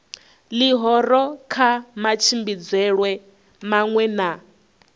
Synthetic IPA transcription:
liɦɔɾɔkʰamat͡ʃʰimbid͡zɛɺwɛ | maŋwɛna

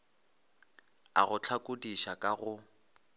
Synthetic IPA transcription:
a̰ɣʊt͡ɬʰakʼʊdiʃakʼaɣʊ

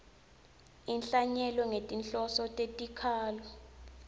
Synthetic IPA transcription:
inɬaɲɛlɔŋetʼinɬʼɔsɔtʼetʼikʰaːlɔ

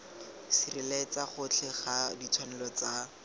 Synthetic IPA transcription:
sirilet͡saχʊt͡ɬʰɛχadit͡sʰwanɛlɔt͡sa

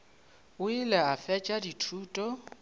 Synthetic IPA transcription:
ʊilɛafɛt͡ʃʼaditʰuːtʼɔ

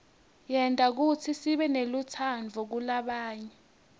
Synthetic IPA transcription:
jɛntʼak̬ut͡sʰisiɓɛnelut͡sʰanvʱɔk̬ulaɓaːɲɛ

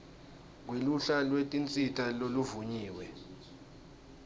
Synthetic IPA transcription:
k̬weluɬalwetʼint͡sʼitʼaloluvuɲiːwɛ

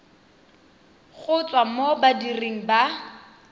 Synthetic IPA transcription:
χʊt͡sʼwamobadireŋ̩ba

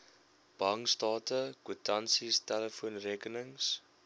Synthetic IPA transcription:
b̥ɐŋstɑːtəkutɐnsistæləfuənrikənəŋs

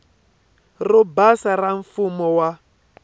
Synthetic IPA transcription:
rɔbasaraɱfumɔwa

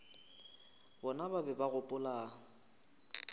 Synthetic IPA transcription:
bɔnababɛbaɣʊpʼʊlaːŋ̩

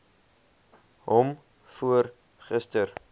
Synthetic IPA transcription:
ɦɔm | fuər | χəstər

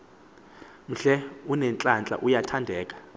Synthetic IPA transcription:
m̩ɬɛunɛnt͡ɬʼant͡ɬʼa̰ʔujatʰandʱɛːkʼḁ

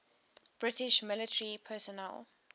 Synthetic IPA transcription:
b̥ɹɪtɪʃmɪlɪtəɹipʰɛsɔnɛ̰l

